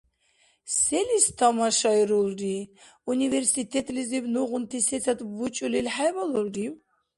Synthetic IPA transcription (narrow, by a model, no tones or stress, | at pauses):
sɛlist̪ʰamaʃajɾulɾi | univɛɾsit̪ʰɛt̪ʼlizibnuʁunt̪ʰisɛt͡sʰat̪but͡ʃʼulilħajvalɔlriw